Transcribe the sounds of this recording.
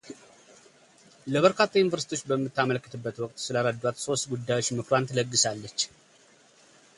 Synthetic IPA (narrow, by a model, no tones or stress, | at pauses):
ləβəɾkʰat̪ʰːajunvəɾsit̪ijot͡ʃːbəmːɨt̪ːaməlkːɨt̪ʰɨbːət̪wɔkʼt̪sɨlaɾəd̪ːwat̪so̞st̪ɡud̪ːajo̞t͡ʃːmɨkɾant̪ʰləɡːɨsalːət͡ʃː